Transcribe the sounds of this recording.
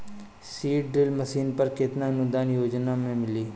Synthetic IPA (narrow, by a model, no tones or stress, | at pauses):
siːʈɖɾɪlməsiːnpɐɾkɪt̪naɐnʊd̪aːnjoːd͡ʒnamẽmɪliː